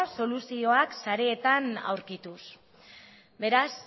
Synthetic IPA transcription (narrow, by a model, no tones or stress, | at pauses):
so̞lusio̞aksaɾeːt̪ana̰wɾkit̪us | be̞ɾas